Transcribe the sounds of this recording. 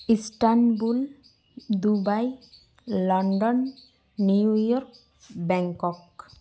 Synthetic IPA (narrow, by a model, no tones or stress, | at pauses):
isʈanbul | d̪ubaj | lɔɳɖɔnː | iujɔɾk | bɛŋkɔk